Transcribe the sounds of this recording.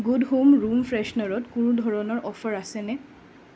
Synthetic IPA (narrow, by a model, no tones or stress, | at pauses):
ɡudɦomɹumfʰɹɛʃnɔɹɔtkuɹũdʱɔɹɔnɔɹʔɔfʰɔɹasɛnɛ